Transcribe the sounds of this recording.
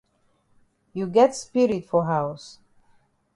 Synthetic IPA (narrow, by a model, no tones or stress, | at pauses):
juɡɛtspɪɹitfɔɦaʊs